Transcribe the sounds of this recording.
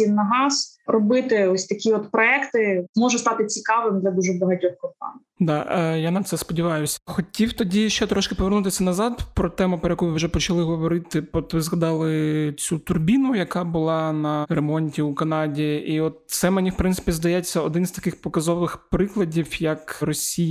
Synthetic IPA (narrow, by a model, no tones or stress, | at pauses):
inːɐɦɑsrɔbɪt̪ɪɔsʲt̪ɐkʲiɔt̪pɾɔɛkt̪ɪmɔʒɛst̪ɑt̪ɪt͡sʲikɑʋɪmd̪lʲɐd̪uʒɛbɐɦɐtʲɔxkɔt̪ɑ̰n | d̪ɑjanɐt̪sɛspɔdʲiʋɑjʊsʲɐ̥xɔtʲiwt̪ɔdʲiʃt͡ʃɛt̪ɾɔʃkɪpɔʋʲɛrnut̪ɪsʲɐnɐzɑd̪pɾɔt̪ɛmʊpɾɔjɐkujʋɪwʒɛpɔt͡ʃɐlˠɪɦɔʋɔɾɪt̪ɪɔt̪ʋɪzɦɐd̪ɑlˠɪt͡sʲut̪ʊrbʲinʊjɐkɑbʊlˠɑnɐɾemɔnʲtʲiukɐnɑdʲiiɔt̪̚sɛmenʲiwpɾɪnsɪ̥pʲizd̪ɐjɛt͡sʲːɐɔd̪ɪnzt̪ɐ̥kɪxpɔkɐzɔʋɪxpɾɪklˠɐdʲiwjɐkrɔsʲij